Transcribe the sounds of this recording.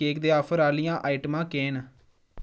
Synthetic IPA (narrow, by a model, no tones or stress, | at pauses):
eːkd̪eːaːpʰəɾaːlɪjãːʔaːɪʈmãːkeːn